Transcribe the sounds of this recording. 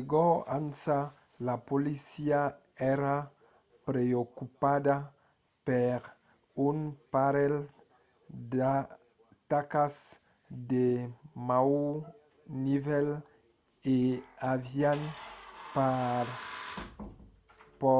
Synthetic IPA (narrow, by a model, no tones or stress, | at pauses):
ɡɔansa | lapolisia | ɛɾa | pɾeokupad̪a | peɾ | unpaɾɛl | d̪a | t̪akas | d̪emaw | nivɛl | eavjanpaɾ | pɔ